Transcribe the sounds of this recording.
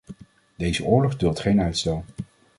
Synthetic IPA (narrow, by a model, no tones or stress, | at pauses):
dejzəʊːɹlɔχdɵlˠtχejnœɥtstɛlˠ